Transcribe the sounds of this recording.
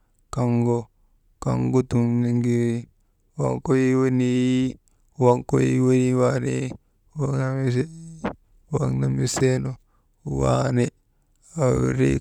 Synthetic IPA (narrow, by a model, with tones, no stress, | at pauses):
ka˨ŋɡo˦ | ka̰˨ŋɡo˦tu˨nni˦ŋɡi˦ɾi˦ | wa̰˦˨ŋko˦ji˦we˦ni˦ | wa˦ŋko˦jḭ˦we˦ni˦wa˦ne˦ | wa˦ŋna˦m˦s | wa˦ŋna˨mi˦se˦no˦ | wa̰˦ne˦ | a˨w̰ɾḛ˦